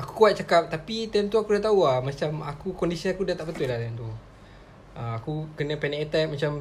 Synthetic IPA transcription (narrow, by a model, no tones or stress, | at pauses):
aku̥kuat̪̚t͡ʃakap̚t̪apit̪ɛmt̪uakudat̪auamat͡ʃamakukɔndisiakudat̪aʔbət̪ʊlaht̪ɛnt̪u | əakukənə̃pɛnɛket̪aʔ̚mat͡ʃam